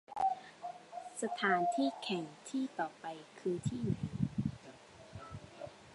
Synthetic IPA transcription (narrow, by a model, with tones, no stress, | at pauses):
sa˧t̪ʰaː˨˦nt̪ʰiː˥˩kʰɛ˨˩˦ŋt̪ʰiː˥˩t̪ɔː˨˩pa˧jkʰɯː˧t̪ʰiː˥˩na˨˦j